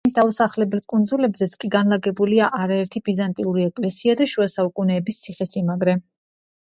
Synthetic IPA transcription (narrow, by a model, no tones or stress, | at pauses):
is̬d̪ausaχlɛbɛlˠkʼund̪zulɛbzɛt̪sʰkʼiɡanlaɡɛbuliaʔaɾaɛɾt̪ʰibizant̪ʼiuɾiɛkʼlɛsiad̪aʃuasaukʼunɛːbist̪sʰiχɛsimaɡɾɛ